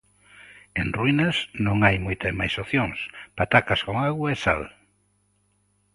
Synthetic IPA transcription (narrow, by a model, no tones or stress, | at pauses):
enrwinɐsnõŋajmojt̪ɐmajsoθjõŋspat̪akaskoŋaɣwɐesa̰l